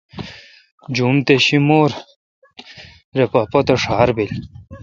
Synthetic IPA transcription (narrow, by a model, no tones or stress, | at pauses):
d͡ʑumt̪eɕimoːɾ | ɾepapot̪eʂaːɾbil